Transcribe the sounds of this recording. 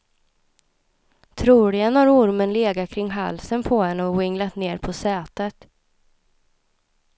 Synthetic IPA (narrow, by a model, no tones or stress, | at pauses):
t̪ʰɾuːlɪənaɾʊɾmənleːɡat̪̚kʰɾɪŋːɦa̰lsənpʰɔhɛnːəɔwɪŋlat̪neːɾpʰɔsɛːt̪ət̪